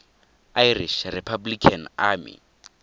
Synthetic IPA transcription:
ajriʃripʰablikʰanaːmḭ

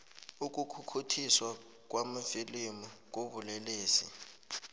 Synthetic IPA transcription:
uk̬ʼukʰukʰutʰiswa | k̬wamafilimuk̬ʼoβuleleːsḭ

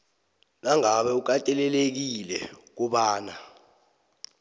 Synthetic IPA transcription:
naŋaɓɛuk̬atʼɛlɛlek̬ilɛk̬uɓaːna

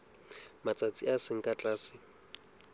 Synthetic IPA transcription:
mat͡sʼat͡sʼiasɪŋ̩kʼat͡ɬʼaːsɪ

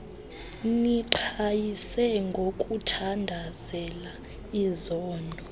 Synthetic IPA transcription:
niǃʰajisɛŋɡʱokʼutʰandʱazɛla | izɔːndʱɔ

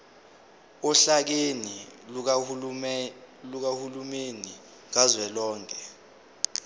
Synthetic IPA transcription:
uɬak̬eni | luk̬ahulumeni | ŋazwɛlɔːŋkʰʼɛ

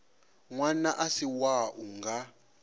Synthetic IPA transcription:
ŋwanaʔasiwaʔuŋɡa

